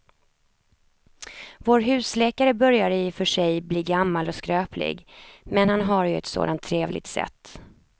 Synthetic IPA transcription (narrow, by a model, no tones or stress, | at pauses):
voːɾɦʉ̟ːslɛːkaɾəbœɾjaɾɪfœʂɛjbliːɡamːalɔskɾøːplɪ̰ɡmɛnhanɦaɾjɵɛ̰t̪so̰ːd̪ant̪ʰːɾeːvlʔɪ̰t̪sɛ̰t̪ː